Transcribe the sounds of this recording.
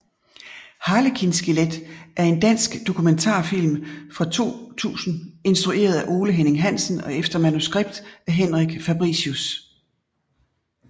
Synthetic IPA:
hɑ̈ːləkʰinsɡ̥iled̥ʔæɐe̝nd̥æn̰sɡ̥d̥o̝kʰument͡sʰɑ̰̈ːfil̰mfʁɑ̈t͡sʰo̝̰ːt͡sʰṵːsn̩e̝nsd̥ʁuʔe̝̰ːɐð̞ˠæʔo̝ːləɦeneŋɦæn̰sn̩ɒ̽efd̥ɐmænusɡ̥ʁeb̥d̥æɦenʁiɡ̥fæb̥ʁḭsus

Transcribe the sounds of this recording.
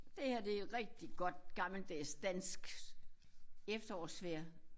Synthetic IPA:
d̥e̝hæɐd̥e̝ʁɛɡ̥̚d̥iɡ̥ɒ̽d̥̚ɡ̥ɑ̈ml̩d̥esd̥æn̰sɡ̥ | efd̥ɐɒ̰ːsʋeɐ̰

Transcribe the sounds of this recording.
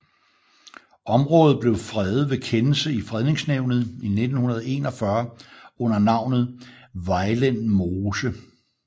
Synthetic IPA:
ɒ̽mʁɔ̽ːð̩ˠb̥le̝ʊfʁɛðð̩ˠʋe̝kʰenl̩səifʁɛð̞ˠne̝ŋsneʊ̰nð̞̩ˠine̝d̥n̩hunɐð̞ˠɒe̝ːnɒ̽fɶɐɔ̽n̰ɐnɑ̈ʊ̰nð̞̩ˠʋɑ̈ɪlenmoːsə

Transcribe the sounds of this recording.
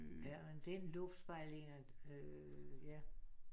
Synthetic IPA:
jæmend̥enlɔ̽fd̥sb̥ɑ̈ɪ̰le̝ŋɐ | ø | jæ

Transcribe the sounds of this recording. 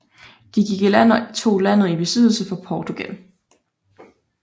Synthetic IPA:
d̥iɡ̥iɡ̥ilæn̰it͡sʰo̝̰ːlæn̰ð̩ˠib̥e̝sið̰ˠl̩səfɒ̽pʰɒːt͡sʰuɡ̥æl

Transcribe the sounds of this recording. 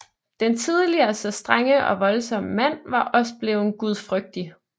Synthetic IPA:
d̥ent͡sʰið̞ˠliɐːsɒ̽sd̥ʁaŋəʔɒ̽ʋɒ̽lsɒ̽məmæn̰ʋɑ̈ʔɒ̽sə̥b̥le̝ːʊnɡ̥uð̞ˠfʁœɡ̥̚d̥i

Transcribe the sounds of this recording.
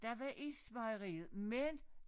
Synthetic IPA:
d̥æʋɑʔisʋɑɪəʁḭːð̩ˠmen

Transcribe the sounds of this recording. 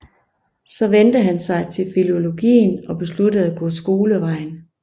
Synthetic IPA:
sɒ̽ʋend̥əɦænsɑ̈ɪt͡sʰe̝lfilo̝lo̝ɡ̥ḭːnɒ̽b̥e̝sludəð̩ˠæɡ̥ɔ̰̽ːsɡ̥o̝ːləʋɑ̈ɪ̰n

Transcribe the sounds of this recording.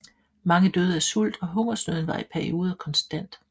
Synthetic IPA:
mɑ̈ŋəd̥øːð̞ˠæɐsul̰d̥ɒ̽ɦɔ̽ŋɐsnøð̞ˠn̩ʋɑ̈ipʰæɐio̝ːð̞ˠɐkʰɒ̽nsd̥æn̰d̥

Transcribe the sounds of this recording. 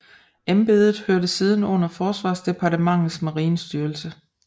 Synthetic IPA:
emb̥e̝ːðˠð̩ˠhøɐɾəsiːð̞ˠn̩ɔ̽n̰ɐfɒːsʋɑ̈ːsd̥e̝pʰɑ̈dəmɑ̈ŋ̰ð̩ˠsmɑʁiːnsd̥yːɐlsə

